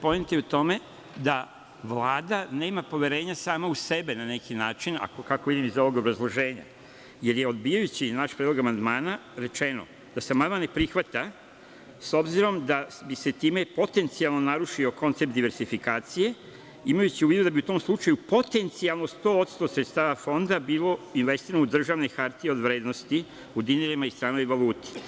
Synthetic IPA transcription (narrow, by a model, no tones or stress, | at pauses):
po̞menit̪eut̪o̞me̞ | d̪a | ʋlaːd̪ane̞ːmapo̞ʋje̞ɾe̞ːɲasaːmause̞benane̞kinaːt͡ʃina̰kokakoʋid̪imizo̞ʋo̞ɡobɾazlˠoʒe̞ːɲa̰ | je̞ɾje̞o̞d̪bijajut͡ɕinaʃpɾed̪loɡamand̪maːnaɾe̞t͡ʃe̞no̞̰ | d̪̥aseamand̪manepɾixʋat̪a | so̞bziɾo̞md̪abise̞t̪iːme̞po̞t̪e̞nt̪sialˠno̞naɾuʃio̞ko̞nt̪se̞p̚t̪d̪iʋe̞ɾsifikaːt̪sije̞ | imajut͡ɕiuʋid̪ud̪abiut̪o̞ːmslˠut͡ʃajupo̞t̪e̞nt̪sialˠno̞st̪o̞ːot̪st̪o̞sɾet̪st̪aːʋafo̞nd̪abiːlo̞inʋe̞st̪iɾanoud̪r̩ʒaʋne̞xaɾt̪io̞d̪ʋɾeːd̪nost̪i | ud̪ineɾimaist̪ɾaːnojiʋaluːt̪e̥